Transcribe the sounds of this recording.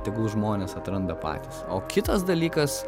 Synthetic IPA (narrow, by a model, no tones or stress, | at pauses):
t̪ʲɪɡuʒmoːnʲeːsɐt̪ɾɐnd̪ɐpɑ̰ːt̪ʲisoːkʲɪt̪ɐsd̪ɐlʲiːkɐs